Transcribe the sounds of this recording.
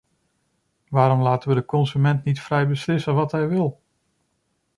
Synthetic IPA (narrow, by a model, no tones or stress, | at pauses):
ʋaːɾɔmlaːtəʋədəkɔnzymɛntnitfrɛjbəslɪsənʋɑtɦɛjʋɪlˠ